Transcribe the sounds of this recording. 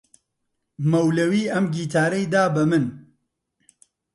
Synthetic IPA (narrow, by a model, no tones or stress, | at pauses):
mɐwlɐwiːʔɐmɡiːt̪ʰaːɾejd̪aːbɐmɨn